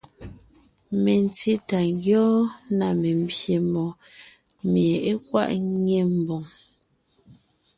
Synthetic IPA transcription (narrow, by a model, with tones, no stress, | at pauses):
me˨n˨ti˦ta˨ŋɡjɔː˦na˨me˨m˦bje˨mɔ˨ | me˨e˦kwa̰˦ʔɲe˦˨m̩˨bo˨ŋ